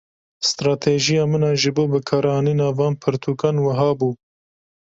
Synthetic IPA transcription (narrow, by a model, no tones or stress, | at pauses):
st̪ɾɑːt̪ʰeʒijɑːmɨnɑːʒɨboːbɨkʰɑːɾɑːniːnɑːvɑːnpʰɨɾt̪ʰuːkanwɐɦɑːbuː